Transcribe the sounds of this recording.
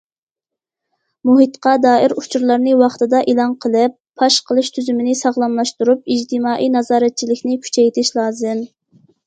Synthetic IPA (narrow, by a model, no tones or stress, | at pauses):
muɦit̪qɑd̪ɑːiɾut͡ʃʰuɾlˠɑɾnɨwɑχt̪ɨd̪ɑʔelˠɑnqʰəlˠɨpʰːɑʃqʰəlˠɨʃt̪ʰyzymɪnɪsɑʁlˠɑmlˠɑʃt̪uɾup̚id͡ʒt̪ʰɪmɑːʔijnɑzɑːɾɛt̪̚t͡ʃʰilɪkʲnɪkʲʰy̥t͡ʃʰɛjt̪ʰɪʃlˠɑːzɨm